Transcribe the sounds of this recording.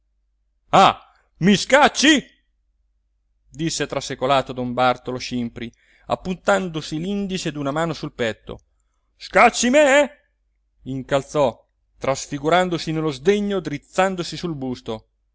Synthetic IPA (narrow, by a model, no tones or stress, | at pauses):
a | miskat͡ʃːi | d̪isːet̪ɾasekolaːt̪od̪ombart̪oloʃimpɾi | a̰pːunt̪and̪osilind̪it͡ʃed̪unamaːnosulpɛt̪ːo̰ | skat͡ʃːimɛ | iŋkalt̪sɔ | t̪ɾasfiɡuɾand̪osinelːozd̪eɲːod̪ɾit̪sːand̪osisulbust̪o